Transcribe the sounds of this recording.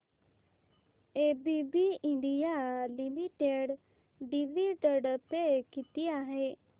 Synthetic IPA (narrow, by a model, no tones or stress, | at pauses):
ebibiɪ̃ɳɖijalimiʈeɖ | ɖiʋiɖəɖpekit̪ijaɦe